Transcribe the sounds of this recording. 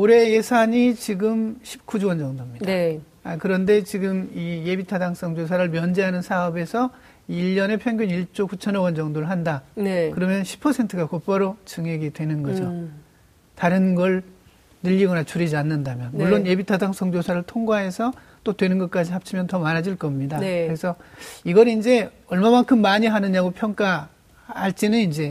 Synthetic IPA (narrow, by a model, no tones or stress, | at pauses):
oɾe̞jesʰaɲit͡ɕiɡɯmɕʰi̥p̚k͈ud͡ʑuwʌnd͡ʑʌŋdomɲid̥a | akɯɾʌnde̞t͡ɕiɡɯmije̞bitʰadaŋs͈ʌŋd͡ʑosʰaɾɯɭmjʌnd͡ʑeɦanɯnsʰaʌbe̞sʰʌ | iʎːʌne̞pʰjʌŋɡjuniɭt͡ɕ͈okut͡ɕʰʌnʌwʌnd͡ʑʌŋdoɾɯɭɦandanekɯɾʌmjʌnɕʰi̥pʰʌsʰentʰɯɡakop͈aɾot͡ɕɯŋɦe̞ɡidwe̞nɯnɡʌd͡ʑo | taɾɯnɡʌɭ | nɯʎːiɡʌnat͡ɕʰuɾid͡ʑianːɯndamjʌnmuɭːonebitʰadaŋsʰʌŋd͡ʑosʰaɾɯɭtʰoŋɡaɦe̞sʰʌ | t͈otwe̞nɯnɡʌt̚k͈ad͡ʑihap̚t͡ɕʰimjʌntʌmanɦad͡ʑiɭk͈ʌmɲidakɯɾe̞sʰʌiɡʌɾiind͡ʑe̞ | ʌɭmamaŋkʰɯmːaɲiɦanɯɲaɡopʰjʌŋk͈a | haɭt͡ɕ͈enɯnind͡ʑe̞